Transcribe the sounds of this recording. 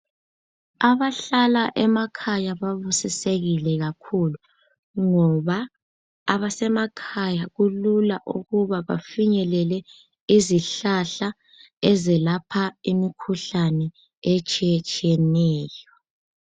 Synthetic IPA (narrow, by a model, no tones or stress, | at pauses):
aβaɬalaʔɛmakʰajaβaβusiseɣilɛɣakʰulu | ŋɔβaː | βasɛmakʰajaɣululaʔṵɣuβaβa̰fiɲɛlɛlɛ | iziɬaɬa | ɛzɛlapʰaimikʰuɬanɛ | et͡ʃʼiɛt͡ʃʼiɛnɛːjɔ